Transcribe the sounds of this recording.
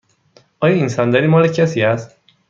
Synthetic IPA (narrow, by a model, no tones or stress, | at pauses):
ʔɒːjɒːinsɒnd̪æɾiːmɒːlecʰæsiːæst̪